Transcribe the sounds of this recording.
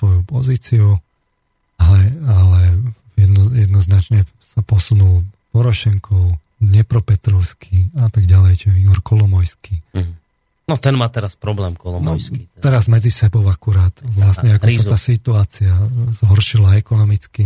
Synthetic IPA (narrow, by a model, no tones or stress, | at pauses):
sʋɔjupɔziːt͡siu | alɛalɛ | ɛjɛd̪nɔznat͡ʃɲɛ | sapɔsunulpɔɾɔʃɛŋkʰɔʊ | ɲɛpɾɔpɛt̪ɾɔʊskʰiat̪aɡɟalɛjt͡ʃɛiɡɔɾkʰɔlɔmɔjski | nɔt̪ɛnmaːt̪ɛɾaspɾɔblɛːmkɔlɔmnɔjiɛɾazmɛd͡zisɛbɔʊakuɾaːt̪ʋlasɲɛakɔsaaːsit̪uaːt͡siazɦɔɾʃilaɛkɔnɔmit͡ski